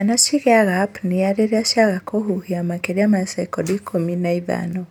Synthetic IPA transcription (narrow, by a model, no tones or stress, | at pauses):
anaʃiɣɛaɣapniaɾeɾiaʃaɣakɔɦuhiamakɛɾiamasɛkɔdikʰɔminaiða̰nɔ